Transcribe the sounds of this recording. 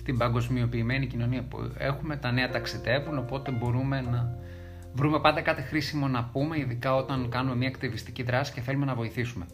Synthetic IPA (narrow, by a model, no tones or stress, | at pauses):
st̪ibɐŋɡo̞zmio̞piːme̞nicino̞niɐpṵe̞̰xume̞t̪ɐne̞ɐt̪ɐksiðe̞vuno̞po̞t̪e̞bo̞ɾume̞nɐ | vɾume̞pɐnd̪ekɐt̪ixɾisimo̞nɐpume̞iðikɐo̞t̪ɐnkɐnume̞mɲɐːkt̪ivist̪iciðɾɐsi̥ce̞θe̞lume̞nɐvo̞iθisume̞